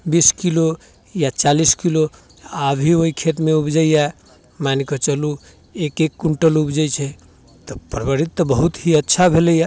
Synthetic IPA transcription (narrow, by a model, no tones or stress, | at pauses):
biskilo | jat͡ʃaliskilo | abʱioikʰet̪meubd͡ʒəja | manikət͡ʃəlu | ekekːuɳʈəlubd͡ʒəjt͡ʃʰɛ | t̪ɔpɾbəɾit̪ːɔbəɦut̪ɦiətːʃʰabʱeləja